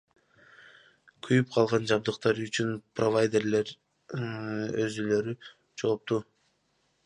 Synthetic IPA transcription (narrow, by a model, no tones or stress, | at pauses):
kʰyjyp̚qʰɑlˠʁɑnd͡ʒɑbd̪ɯqt̪ɑɾyt͡ʃynprovajd̪e̞ɾle̞ɾ | øzylø̞ɾy | d͡ʒolˠp̚t̪u